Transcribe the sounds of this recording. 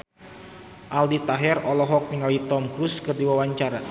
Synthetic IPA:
ʔaldit̪aɦɛrɔlɔɦɔk̚niŋalit̪ɔmkɾuskɨrdiwawaɲt͡ʃaɾa

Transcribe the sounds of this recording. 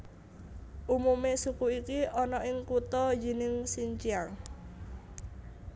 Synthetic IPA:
ʔumumesukuikiʔɔnɔʔɪŋkut̪ɔd͡ʒi̤nɪŋsiɲt͡ʃiaŋ

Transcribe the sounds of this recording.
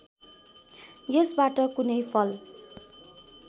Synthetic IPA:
jʌsbaʈʌkunʌjpʰʌl

